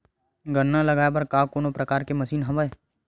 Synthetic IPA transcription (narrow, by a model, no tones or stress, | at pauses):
ɡənnːalɐɡaːebɐɾkaːkoːnopɾɐkaːɾkemɐsiːnɦɐʋəe